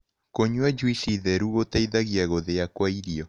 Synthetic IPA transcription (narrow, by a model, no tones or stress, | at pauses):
koɲwɛd͡ʒwiʃiðɛɾuɣotaiðaɣiaɣoðeakwaiɾiɔ